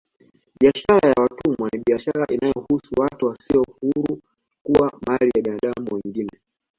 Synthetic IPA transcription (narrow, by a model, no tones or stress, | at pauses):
ɓiaʃaɾajawatumwaniɓiaʃaɾaʔinajɔhusuwatuwasiɔhuɾu | kuwamalijaɓinaɗamuwiŋɡinɛ